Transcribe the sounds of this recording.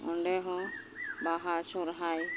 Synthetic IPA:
ɔɳɖeɦɔ̃ | baɦasɔɾɦaj

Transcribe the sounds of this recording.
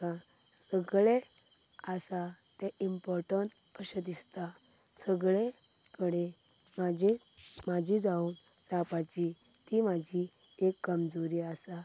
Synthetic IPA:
ã | səɡɭe | asat̪ɛ̃ʔimpɔɾʈəɳ | pəɕəd̪ist̪a | səɡɭe | kəɽe | mad͡ʑʱi | mad͡ʑʱid͡zauːn | ɾapat͡ɕi | t̪imad͡ʑʱi | ekːəmd͡zoɾiasa

